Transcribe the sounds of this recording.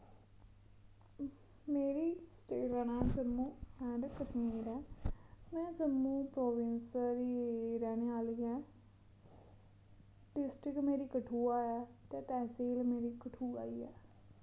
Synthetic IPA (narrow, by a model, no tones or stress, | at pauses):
meːɾiːsʈeːʈɾənãːsəɾmũːɛ̃ɖkəsmiːɾɛːmɛ̃ːsəmũːpɾoːʋɪnsəɾiːɾɛːñeːaːliːɛː | ɖɪsʈɾɪkmeːɾiːkəʈʰuːaːjaːt̪eːt̪ɛːseːlmeːɾiːkəʈʰuːa̰ːiːɛː